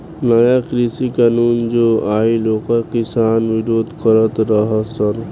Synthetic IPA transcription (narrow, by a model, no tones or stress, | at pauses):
nəjakɾisikaːnuːnd͡ʒoːaːiloːkəɾkɪsaːnʋɪɾoːd̪ʱkəɾət̪ɾəɦasəɾ